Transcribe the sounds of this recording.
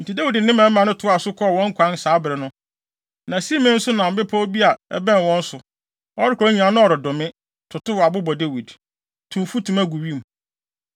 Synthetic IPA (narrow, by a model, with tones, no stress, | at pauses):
n̩˨ti˨de˦wi˨d̩˨nɪ̃˦mã˨˦mã˨nʊ̃˦tʰʊ˨˦a˨sʊ˦kʰɔ˦˨wɔ̃˦ŋ̩˦kʰʷã˦n˦saː˨˦bɪ˨ɾɪ˨nʊ̃˦ | nã˨si˦mɪ̃˦n̩˦sʊ˦nã˨m̩˨bɪ˦pʰɔ˦bi˦a˨ɛ̰˦bɛ̃˦n˨wɔ̃˦n̩˦sʊ˨ | ɔ˦ɾɪ˦kʰɾɔ˦ɲĩ˨ã˨˦nʊ̃˦ɔ˨ɾɪ˨dʊ̃˨mɪ̃˦ | tʰʊ˨tʊ˦wa˨bʊ˦bɔ˨de˦wi˨d | tʰũ˨m˨fu˦tʰũ˨mæ˦ɡu˨ɥi˦˨m̩˨